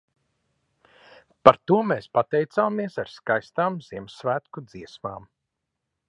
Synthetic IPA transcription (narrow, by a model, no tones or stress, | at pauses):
paɾt̪uɔmeːspat̪ɛjt̪saːmiɛsaɾskajst̪aːmz̥iɛmsvæːt̪kud̪z̥iɛsmaːm